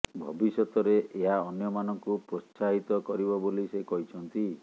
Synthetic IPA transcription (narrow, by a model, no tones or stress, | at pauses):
bʱɔbisɔt̪ɔɾeʔeɦaɔnjɔmanɔŋkupɾɔsaɦit̪ɔkɔɾibɔbolisekɔɦit͡ʃʰɔnt̪i